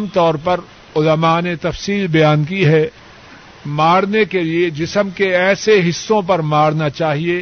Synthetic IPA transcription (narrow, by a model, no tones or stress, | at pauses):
mt̪ɔːɾpɐɾ | ʊləmanet̪ɐfsiːlbɐjaːnkiɦɛ | maːɽnekelied͡ʒɪsəmkeɛːseɦɪsːõpɐɾmaːɽnat͡ʃaːɦieː